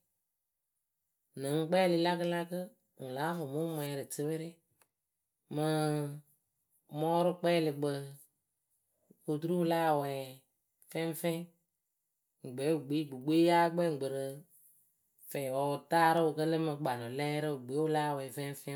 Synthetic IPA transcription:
nɨ˨˦ŋ˦k͡pɛː˦li˨la˦kɨ˦la˦kə˦ | ŋũ˨laː˨˦fʊ˨mu˦mʷ˦ɛ˨ɾɨ˨tɨ˦βə˦ɾɪ˦ | mɨ˧ | mɔː˦ɾɨ˦k͡pɛː˦li˨ɡ͡bə˧ | ko˨tu˦ɾu˦laː˦˨wɛ˨ | fɛ̃˦m˦fɛ̃˦ | ŋ̩˨ɡ͡be˨˦u˨ɡ͡bi˨˦˨ɡ͡bu˨ɡ͡be˦jaː˦ɡ͡bɛ˦˨ŋ̩˨ɡ͡bə˨ɾə˧ | fɛ˨wɔ˨taː˦ɾɨ˦o˨kə˦lə˦mɨ˧ɡ͡ba˨nɔ̃˨lɛ˦ɾɨ˦˨ɡ͡be˨˦wu˦laː˦˨wɛː˨fɛ̃˦fɛ̃˦

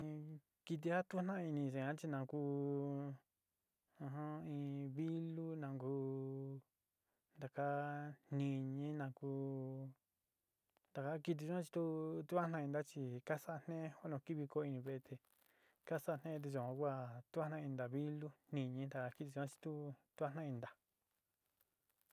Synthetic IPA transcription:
ki˧t̪̬i˧ha˦t̪u˦nã˦˧i˧nĩ˧t͡ʃe˧˨ã˦t͡ʃi˧nã˧kuː˦ | ã˧ɦã˦ĩ˧βi˦lu˦nã˧ŋkuː˦ | nd̪a˨ka˦nĩ˧ɲĩ˦nã˧kuː˧˦ | nd̪a˨ka˦ki˧t̪̬i˧t͡ʃu˦ã˦t͡ʃi̥˧t̪u˦t̪u˦a˦nã˧ĩ˧nd̪a˦t͡ʃi˧ka˦sa˦ʔa˧n̥ẽ˦ho˦nõ˧ki˦βi˧ko˧˦i˧nĩ˧βe˧e˧t̪ʰe˧ | ka˦sa˦˧nẽ˦˧t̪̬e˧t͡ʃũ˧˨ã˧kʷa˦˨t̪u˦a˦nã˧ĩ˧nd̪a˨βi˦lu˦n̥ĩ˧ɲĩ˧˦d̪a˨ka˧ki˦t̪i˧t͡ʃu˦ã˦˧t͡ʃi̥˧t̪u˦t̪u˦a˦nã˦˧ĩ˧nd̪a˨

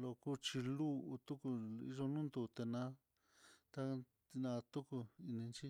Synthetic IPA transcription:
lo˧ku˦t͡ʃi˧lu˦ʔu˧t̪u˦ku˧ḭ˧ʐo˧nũ˦nd̪u˧t̪e˧nã˧˦ | t̪a˧ | nã˧t̪u˦ku˧i˧nĩ˧nt͡ʃi˦

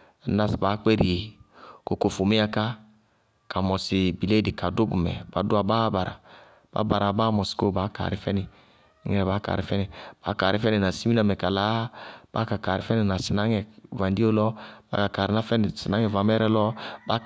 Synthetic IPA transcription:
na˦sba˨˦kɛ˦ɾi˨e˨ko˨ko˨fo˨mi˦a˦ka˦ | ka˨mɔ˨si˨bi˨le˦di˨ka˨do˦bṵ˨mɛ̰˨ba̰˨˦du˦a˨ba˦ba˨ɾa̰˨ | b̥a̰˦ba˨ɾa˨ba˦mɔ˨sko˦˨ba˨˦ka̰˨ɾi˨˦fɛ˦ni˨˦ | ŋɛ˦ɾɛ˨ba˦ka̰˨ɾi˨fɛ˦ni˨b̥a̰˨˦ka˨ɾi˦fɛ˦ni˨na˨si˦mi˦na˨mɛ˨ka˨la˦b̥a̰˦ka˨ka˨ɾi˨˦fɛ˦ni˨na˨si˨na˦ŋɛ˨va˨n˦di˦o˦lɔ˦ba̰˦ka˨ka˨ɾi˨na˦fɛ˦n˨si˨na˨˦ŋɛ˨va˨mɛ˦ɾɛ˦lɔ˦ba˦

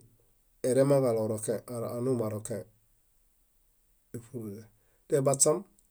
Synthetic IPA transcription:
e˨ɾe˦maɡa˨loɾokeaa˨nu˦ma˨ɾoke˨ | e˨fuɾle˨ | tebat͡sːa˦m

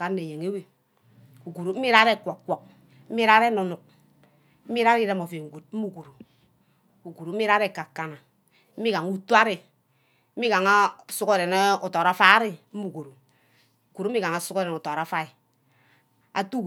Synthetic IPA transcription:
a˨˦e˨je˨ŋe˦we˦ | u˨ku˨ɾo˨m̩˦i˦ɾa˦ɾe˦˨kʷo˨kkːʷo˨k̚ | m̩˦mi˦ɾa˦ɾe˦no˨nu˨k̚ | m̩˦mi˦ɾa˦ɾi˦ɾe˦mo˨fe˨ŋ̩˨ɡu˨t̚m̩˦mu˨ko˨ɾo˨ | u˨ku˨ɾo˨m̩˦i˦ɾa˦ɾe˦˨ka˨kːa˨na˨ | m̩˦i˦ka˨ŋu˦tu˦a˦ɾi˨ | m̩˦mi˦ka˨ŋa˦˨su˦ko˦˨ɾe˨ne˦o˨to˨ɾa˦fa˦ɾi˦m̩˦mu˨ko˨ɾo˨ | u˨ku˨ɾo˦i˦ɡa˨ŋa˨su˦ke˦ɾe˨n˨to˨ɾa˨˦fa˦i˨ | a̰˨tu˦

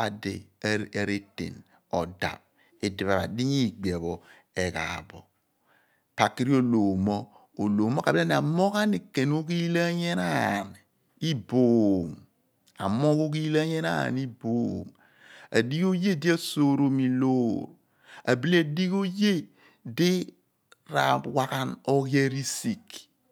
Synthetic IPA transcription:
a˨dḛ˨e˨ɾe˦tḛ˨n | ɔ˨da̰˨p̚ | e˨di˨βa˨ɾa̰˨di˦ɲi˦˨ɡ͡be˨bɔ˨ | e˨ka̰˨bɔ̰˨ | pa˨ki˦ɾi˦o˦lo˨mɔ˦ | o˨loː˨mo˦ka˨ba˦n˨a˨mo˦ka˦ne˨ke˨n˦o˦ki˦la˦ɲe˦na˦˨n˨ | i˦bo˨m | a̰˨mo˦ko˦ki˦la˦ɲe˦na̰˦˨ni˦bo˨m | a̰˨di˦ko˦je˦di˦a˦so˦˨ɾo˨mi˨lo˦ɾ | a̰˨bi˦li˦a˨di˦ko˦je˦ | de˦ | ɾa̰˨wa˦ka˦no˦ɣja˦ɾi˦si˨k

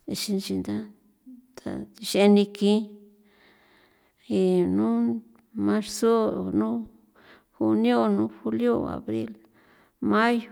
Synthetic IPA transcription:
e˧ʃi˧nt͡ʃi˧nd̪a˦ | t̪a̰˨i˧ʃe˧nĩ˧kĩ˦ | i˧nũ˦ | mã˧ɾso˦˨nũ˦ | hu˧njo˦nũ˦xu˧ljo˦a̰˨βɾḭ˦l | ma˦jo˨

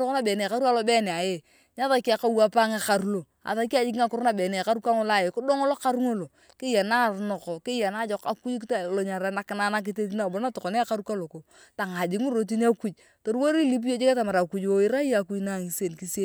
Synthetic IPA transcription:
ɾo˦o˦na˦bɛ˨ne˨ka˦ɾu˦a˦lo˦bɛ˦ne˨a˨je˦ | ɲa˦ta˨ka˦ka˦wa˦pa˦ŋa˦ka˨ɾu˦lo˨ | a̰˨ta˨ki˦a˨˦d͡ʒi˦ki˦ŋa˨kʊ˦ɾna˦˨bɛ˨ne˨a˨a˦ɾu˦ka˦ŋo˦la˦˨je˨kʊ˦do˦ŋo˦lo˦ka˦ɾu˦ŋo˦lo˨ | kɪ˦je˨na˦˨ɾno˨kɔ˨kɪ˦ja˨na˦d͡ʒo˨ka˨ku˦ktlo˨ɲa˨ɾa˦na˨kɪ˨na˦na˦k̬ɪ˦te˦t̬i˦na˦˨bo˨˦na˦to˨ko˨ne˦a˦ka˦ɾu˦ka˦lo˨ko˨ | ta˨ŋa˨d͡ʒi˨ŋu˦ɾo˨t̬i˦n˦a˦ku˦t͡ʃ | to˨ɾwo˦ɾi˦li˦p̬i˦o˦t͡ʃe˦ke˦ta˨ma˨ɾa˨ku˦t͡ʃo˦ɪ˦ɾa˦i˦a˨ku˦na˦˨ŋi˨se˦˨nki˦se˦

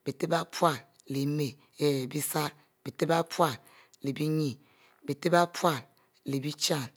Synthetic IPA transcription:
b̥i˨te˦ba˦pwa˦˨l | le˨˦me˨ | e˦˨bi˦sa˦ | b̥i˨te˦ba˦pwa˦˨l | le˨bi˦ɲi˦˨ | bi˨te˦ba˦pwa˦˨l | le˨bi˦t͡ʃa˦˨n

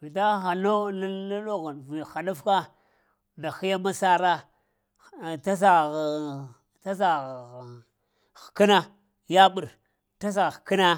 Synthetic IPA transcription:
vi˨da˦xa˨no˦la˦a˦lo˦ɣa˨nvi˨xa˨nu˦fka˦ | nda˨xi˦ja˦ma˦sa˦ɾa˦˨ | ta˦s̬a˨ | ta˦s̬a˨ | xki˦na˦ | ja˦ɓu˨ɾ | ta˦s̬a˨ɣki˦na˦

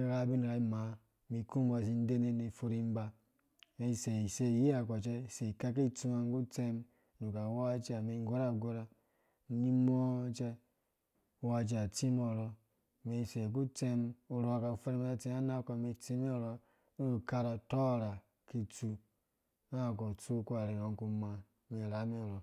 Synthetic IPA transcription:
ɾa˦˨˦bi˦n˨ɾa˨i˦ma˨˦ | mi˨ku˦m˦a˨s̬i˦n̩˦de˦ne˦˨ne˨fo˦ɾi˦m˦ba˨ | me˨˦˨se˨i˨se˦˨ji˦a˨ka˨t͡ʃe˦˨se˨ka˦k̬i˦tu˦ma˨ŋ˦ɡu˦t͡se˦m˨ | ɾu˨ka˨wa˦t͡ʃe˦a˨me˨ŋ˦ɡo˦ɾa˦˨ɡo˦ɾa˨ | ɲi˦mo˦t͡ʃe˦ | wa˧d͡ʒa˨t͡si˦mɔ˨ɾɔ˧˨ | me˨se˨k̬u˦t͡se˦mu˨ɾo˨ka˨fo˦ɾi˦ma˦a˦t͡se˦a˦na˦ko˨me˧˨t͡si˦me˦˨ɾɔ˦˨ | ka˦ɾa˨tɔ˦˨ɾa˨ | ki˦t͡su˧ | na˦˨k̬o˨t͡su˦ku˦a˨ɾe˨ɾo˨ŋ˦ku˦ma˨ | me˨ɾa˨˦me˦˨ɾɔ˨

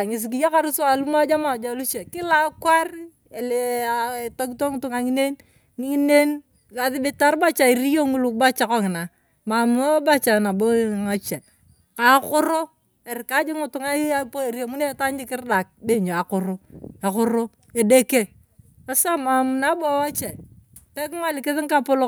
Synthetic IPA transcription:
ŋɪ˨s̬i˨k̬i˨ja˦ka˦ɾʊ˦sa˨lu˦ma˦d͡ʒa˦ma˨d͡ʒa˨˦lu˦t͡ʃe˨kɪ˦la˦kwa˦r | e˨le˨to˦ki˦to˦ŋʊ˦tʊ˨ŋa˨ŋi˦ne˦n˦ | i˦ne˦n | ka˨ðɪ˦bɪ˦ta˦ɾba˦t͡ʃa˨i˨ɾi˦jo˦ŋu˦lu˨kba˦t͡ʃa˨kɔ˦ŋɪ˨na˨ | ma˨mu˨o˦ba˦t͡ʃa˨na˨bo˦˨ŋa˦t͡ʃɛ˨ | ka˨˦kʊ˦ɾo˦ | e˨ɾɪ˨ka˦d͡ʒɪ˦ŋʊ˦tʊ˨˦ŋa˦bo˦˨ɾijo˨mu˦ne˦˨ta˦ɲd͡ʒɪ˦kɪ˦rda˨k̚be˦˨ɲo˨a˨kʊ˨ɾo˦a˨kʊ˦ɾo˦ | e˨de˦ke˦ | a˦sa˦ma˨mu˨na˦bɔ˦wa˦t͡ʃɛ˨ | pɛ˦k̬ŋa˦˨lɪ˨kɪ˦ðɪ˦ŋ˦ka˦pʊ˦lo˦

